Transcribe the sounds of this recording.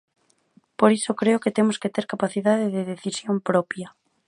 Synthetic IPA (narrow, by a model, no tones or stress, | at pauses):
poɾisokɾeoket̪emosket̪eɾkapaθiðaðeðeðeθisjompɾopja